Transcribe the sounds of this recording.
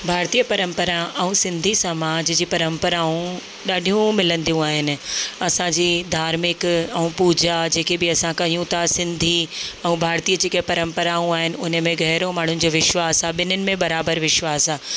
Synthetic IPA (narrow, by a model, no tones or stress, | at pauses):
bʱaːɾt̪ijəpɐɾə̃mpəɾaʔɐũsɪ̃nd̪ʱisɐmaːd͡ʑd͡ʑiːpɐɾə̃mpəɾaːũ | ɗaːɖʱijũmɪlə̃nd̪ijũaːɦɪnɪ̆ɐsãd͡ʑiːd̪ʱaːɾmɪkɛũpuːd͡ʑad͡ʑeːkebɪɐsãkɐɦijũt̪ʰasɪ̃nd̪ʱiɛ̃ũbʱaːɾt̪iːəd͡ʑeːkepɐɾə̃mpəɾaũaːɦɪnɪ̆ʊnə̆mẽɡɛɦɾomaːɳ̤ʊnɪ̆d͡ʑoːʋɪʃwaːsaːɓɪn̤ənɪ̆mẽɓɐɾaːbəɾʋɪʃwaːsaː